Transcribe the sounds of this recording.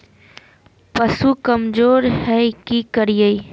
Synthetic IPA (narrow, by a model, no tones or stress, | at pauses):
pɐsukəmd͡ʒoːɾhɛkikəɾijəi